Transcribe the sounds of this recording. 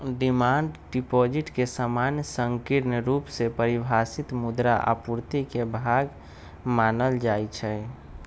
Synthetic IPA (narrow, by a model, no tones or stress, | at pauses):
ɖimaːɳɖɖipɔd͡ʒiʈkesamanjəsəŋkiɾnəɾupsepəɾibʱasit̪mud̪ɾaʔa̰puɾt̪ikebʱaɡ | maːnəld͡ʒajt͡ʃʰɛ